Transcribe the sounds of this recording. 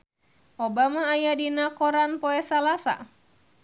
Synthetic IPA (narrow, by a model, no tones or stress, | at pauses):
ʔɔbamaːjadinakɔɾanpɔɛsalasa̰